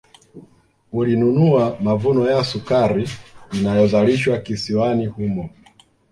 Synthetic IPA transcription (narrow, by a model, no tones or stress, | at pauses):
ulinunuamavunɔjasukaɾiinajɔzaliʃwakisiwanihumɔ